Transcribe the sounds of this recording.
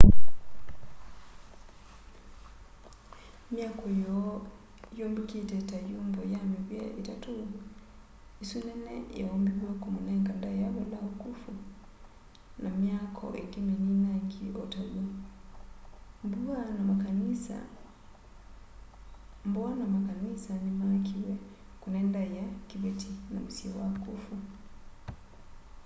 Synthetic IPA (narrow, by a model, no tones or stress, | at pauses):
mjakɔjɔ | jɔmbikitɛtajumbɔjamiβwjɛβitatu | isunɛnɛ̰jawɔmbiβwakumunɛŋɡandajaβɔlaukufu | namjakʰɔ̰ʔɛɡimɛninaŋɡiɔtaɡa | mbuanamaanisa̰ | mbɔanamakanisanimakiwɛ | kunɛndajakiβɛtinamusiɛwakufu